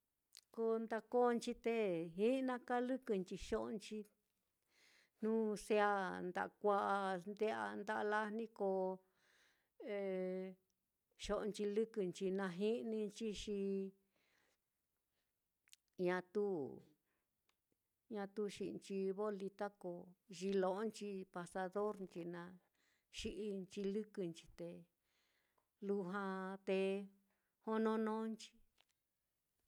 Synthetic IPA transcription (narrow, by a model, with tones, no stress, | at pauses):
ko˧nd̪a˧ko˦˧nt͡ʃi˧t̪e˦ɦĩ˦˧nã˧ka˦lɨ˦kɨ˧nt͡ʃi˧ʃo˦ʔnt͡ʃi˧ | n̥ũ˦se˧˦a˧nd̪a̰˨ʔkʷa˦ʔa˧nd̪e˦a̰˧nd̪a˧la˦nĩ˦ko˧ | e˧ | ʃo˧ʔnt͡ʃi˧lɨ˦kɨ˧nt͡ʃi˧nã˧ɦi˦˧nĩ˧t͡ʃi˦ʃi˧ | ɲã˧t̪u˦ | ɲã˧t̪u˦ʃḭ˧˨˧nt͡ʃi˧βo˦li˧t̪a˦ko˧ʒi˧lõ˧ʔnt͡ʃi˧pa˧sa˧ðo˦ɾnt͡ʃi˧nã˧ | ʃi˦ʔi˧nt͡ʃi˧lɨ˦kɨ˧nt͡ʃi̥˧t̪e˧ | lu˧ɦã˧t̪e˧ | ho˦nõ˧nõː˦nt͡ʃi̥˧